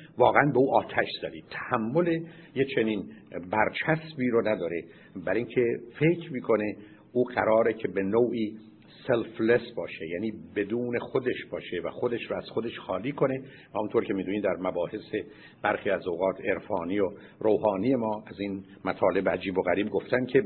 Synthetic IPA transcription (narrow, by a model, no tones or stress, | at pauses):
vɒːɣeænbe̞uːʔɒːt̪ʰæʃz̥æd̪iːt̪ʰæhæmːo̞le̞ | jet͡ʃʰe̞niːnbæɾt͡ʃʰæsbiːɾonæd̪ɒːɾe | bæɾiŋcʰe̞fe̞cʰmiːkʰo̞ne̞ | ʔuːɢæ̰ɾɒːɾecʰe̞benoːʔiː | selflesbɒːʃejæːniːbe̞d̪uːne̞xod̪e̞ʃbɒːʃe̞væxod̪eʃɾoæz̥xo̞d̪e̞ʃxɒːliːkʰo̞ne̞ | væhmunt̪oɾcʰemiːd̪uːniːmd̪æɾmæbɒːhe̞se̞ | b̥æɾxiːæzoɣɒːt̪ʰe̞ɾfɒːniːjo | ɾoːɦɒːniːje̞mɒːæzin | mæt̪ʰɒːle̞beæd͡ʒiːboɣæɾiːbɡo̞ft̪ænkʲʰe̞